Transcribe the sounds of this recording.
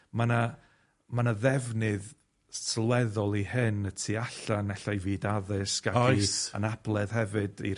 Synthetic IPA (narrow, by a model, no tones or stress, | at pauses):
mana | manaðɛvnɨð | slwɛðɔlˠihɨnətʰiːaɬanɛɬajviːdaðɨskakiə̰nab̥lˠɛð̥hɛvɨdḭ